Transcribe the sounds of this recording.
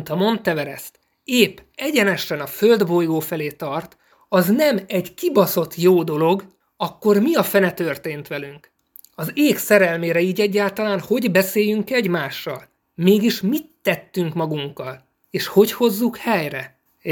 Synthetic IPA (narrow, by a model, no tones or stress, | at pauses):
nt̪ɒmo̞nt̪ːɛvɛɾɛst̪ | eːpɛɟɛnɛʃɛnɒfø̞ld̪bo̞jɡoːfɛleːt̪ɒrt̪ | ɒznɛmɛɟkibɒso̞t̪ʰjoːd̪o̞lo̞ɡ | ɒkːo̞rmiɒfɛnɛt̪ø̞rt̪eːnt̪ʋɛlyŋk | ɒzeːksɛɾɛlmeːɾɛiːɟɛɟːaːlt̪ɒlaːnho̞ɟbɛseːjyŋkɛɟmaːʃːɒ̰l | meːɡiʃmit̪ːɛt̪ːyŋkmɒɡuŋkːɒl | eːʃho̞cho̞zːukhɛjrɛ